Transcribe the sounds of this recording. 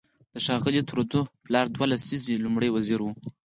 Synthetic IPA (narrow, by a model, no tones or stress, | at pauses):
d̪̥əʃɑɣɪlit̪uɾod̪uplɑɾd̪walasizilumɽəjwaziɾwu